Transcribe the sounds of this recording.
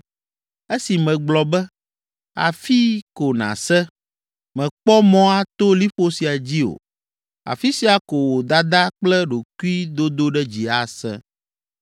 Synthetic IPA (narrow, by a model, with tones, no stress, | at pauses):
e˦si˨mɛ̃˨ɡ͡blɔ˨bɛ˦ | a̰˨fi˦ko˨nã̰˨sɛ˦ | mɛ̃˨k͡pɔ˦mɔ̃˦a˦t̪o˦li˦ɸo˦si˨a˨d͡ʑi˦o̰˨ | a̰˨fi˦si˦a˨ko˨wo˨d̪a˦d̪a˦k͡plɛ˦ɖo˨ku˦i˦d̪o˦d̪o˦ɖɛ˦d͡ʑi˨a˨sɛ̰̃˦